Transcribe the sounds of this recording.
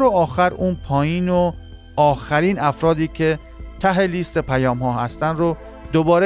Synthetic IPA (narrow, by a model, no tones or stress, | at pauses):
ɾoɒːxæɾuːnpʰɒːjiːno | ɒːxæɾiːnæfɾɒːd̪iːcʰe̞ | t̪ʰæɦeliːst̪e̞pʰæjɒːmɦɒːɦæst̪ænɾo | d̪̥obɒːɾe